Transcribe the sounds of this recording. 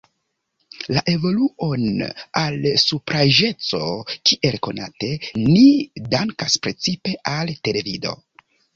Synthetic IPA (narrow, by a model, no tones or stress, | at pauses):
laʔe̞vo̞luʔo̞nalsupɾaʒe̞t͡so̞kiʔe̞lko̞nate̞nidaŋkaspɾe̞t͡sipe̞ʔalte̞le̞vido̞̰